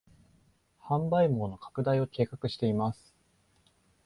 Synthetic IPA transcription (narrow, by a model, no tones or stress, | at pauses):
hãmbaimo̞ːno̞kʰḁkɯ̟d̪aio̞kʰe̞ːkakɯ̟ɕi̥t̪e̞imasɨ̥